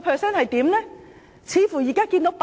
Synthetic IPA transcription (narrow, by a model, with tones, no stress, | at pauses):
pʰøː˨sɛː˥nhɐ˨jt̪iː˨˥mnɛ˥ | t͡sʰiː˨˧fuː˨˩jiː˨˩kaː˥kiː˧nt̪o˨˥wp